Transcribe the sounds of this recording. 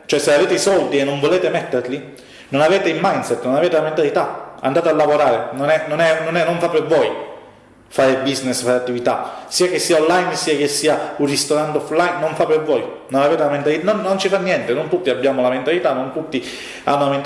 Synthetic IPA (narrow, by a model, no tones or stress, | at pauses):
t͡ʃoɛsːeaveːt̪eisɔld̪ienːoɱvoleːt̪emɛt̪ːeɾli | nonaveːt̪eimajnsɛt̪ːnonaveːt̪elament̪alit̪aa̰nd̪aːt̪ealːavoɾaːɾenonɛnonɛnonɛnːoɱfapːeɾvɔj | faːɾebiznɪsfaːɾeat̪ːivit̪a̰siːak̟esːiːaonlajnsiːak̟esːiːaurrist̪oɾant̪ɔflajnːoɱfapːeɾvɔːj | nonaveːt̪elament̪alit̪nonːont͡ʃifanːjɛnt̪enont̪ut̪ːiabːjaːmolament̪alit̪anːont̪ut̪ːi | a̰nːolament̪